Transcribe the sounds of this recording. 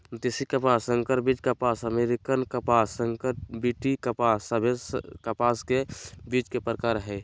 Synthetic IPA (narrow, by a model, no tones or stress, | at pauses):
t̪isikəpasə̃ŋkəɾbit͡ʃkapaːsəmeɾikənkəpaːsə̃ŋkəɾbiʈikəpaːsəbʱeskəpaːskebit͡ʃkepɾəkaːɾɦɛ